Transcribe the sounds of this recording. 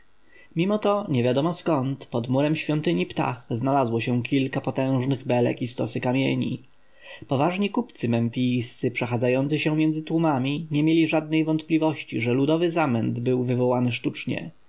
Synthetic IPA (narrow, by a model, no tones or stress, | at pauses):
mʲimɔt̪ɔɲɛvʲjad̪ɔmɔskɔnt̪pɔd̪muɾɛmɕfʲjɔnt̪ɘɲipt̪a̰xznalazwɔɕɛ̃kʲilkapɔt̪ɛ̃w̃ʐnɘɣbɛlɛ̰kist̪ɔsɘkamʲjeɲḭ | pɔvaʐɲikupt̪sɘmɛɱfʲijst̪sɘpʂɛxad̪zajɔnt̪sɘɕɛmʲjɛnd̪zɘt̪wumamʲiɲɛmʲjelʲiʐad̪̚nɛjvɔnt̪plʲivɔɕt͡ɕiʐɛlud̪ɔvɘzamɛnd̪bɘwvɘvɔwanɘʂt̪ut͡ʂɲɛ̰